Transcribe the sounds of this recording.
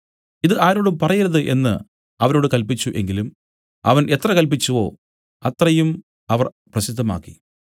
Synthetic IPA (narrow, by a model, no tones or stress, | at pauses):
iðɨʔaːɾo̞ːɽumpɐrɐjiɾɐðɨʔe̞nːɨ̰ | ɐʋɐɾo̞ːɽɨkɐlpit͡ɕːuʔe̞ŋɡilum | ɐ̰ʋɐnʔe̞t̪rɐkɐlp̬it͡ɕːuʋo̞̰ː | ɐt̪rɐjum | ɐʋɐr | prɐsid̪ʱːɐma̰ːkːi̥